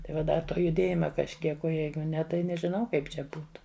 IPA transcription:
tɐɪ ˈʋɐ ˈdɐ ˈtoː jʊˈdʲeːjɪmɐ kɐʃʲˈkʲiɛk oː ˈjɛɪɡʊ ˈnʲɛ tɐɪ nʲɛʒʲɪˈnɐʊ ˈkɐɪp t͡ʃʲɛ ˈbuːtʊ

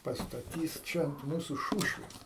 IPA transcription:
pɐstɐˈtʲiːs ˈt͡ʃʲɛ ɐnt ˈmuːsʊ ˈʃuːʃʲʋʲeːs

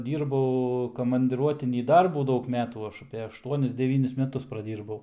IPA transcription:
ˈdʲiːrbɐʊ koːmɐnʲdʲɪˈruɔtʲɪnʲiː ˈdɐrbuː ˈdɐʊk ˈmʲæːtuː ˈɐʃ ɐpʲeː ɐʃˈtuɔnʲɪs dʲɛˈʋʲiːnʲɪs mʲɛˈtʊs prɐˈdʲiːrbɐʊ

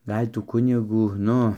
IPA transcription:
ˈɡɐlʲ ˈtuː ˈkʊnʲɪɡuː ˈnʊ

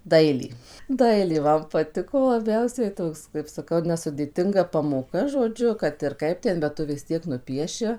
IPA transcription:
ˈdɐɪlʲeː ˈdɐɪlʲeː ˈmɐn pɐˈtʲɪkoː lˠɐˈbʲɛʊsʲɛɪ ˈtoːks kɐɪp sɐˈkɐʊ nʲɛsʊdʲeːˈtʲɪŋɡɐ pɐmoːˈkɐ ʒoːˈd͡ʒʲʊ kɐt ɪr ˈkɐɪp ˈtʲɛn bʲɛt ˈtʊ ʋʲɪs ˈtʲiɛk nʊˈpʲiɛʃʲɪ

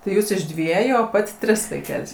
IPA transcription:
tɐɪ ˈjuːs ɪʃ ˈdʲʋʲiɛjʊ oː ˈpɐtʲ ˈtʲrʲɪs ʋɐɪˈkʲɛlʲsʲ

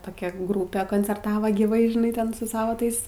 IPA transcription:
toːˈkʲɛ ˈɡruːpʲeː koːnʲt͡sʲɛrˈtɑːʋoː ɡʲiːˈʋɐɪ ʒʲɪˈnɐɪ ˈtʲɛn sʊ ˈsɑːʋɐ ˈtɐɪs

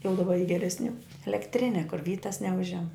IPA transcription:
jɛʊ dɐˈbɐ iː ɡʲɛrʲɛsʲˈnʲuː ɛlʲɛkˈtʲrʲɪnʲɛ kʊr ˈʋʲiːtɐs nʲɛˈʊʒʲɛm

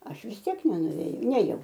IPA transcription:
ˈɐʃ ʋʲɪs ˈtʲiɛk nʲɛnʊʋʲeːˈjɛʊ ˈnʲeːjɛʊ

